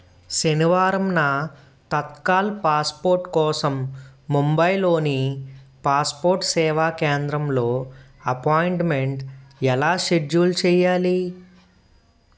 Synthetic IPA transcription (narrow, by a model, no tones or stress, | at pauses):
ʃeniʋaːɾɐmnɐ | t̪ɐt̪̚kaːlpaːspoːɾʈkɔːsɐmːumbɐjlo̞ːnipaːspoːɾʈsɛːʋaːkeːnd̪ɾɐmlo̞ː | ɐpaːjɳʈmeɳʈɛlaːʃeɖuːlt͡ʃɛːjaːli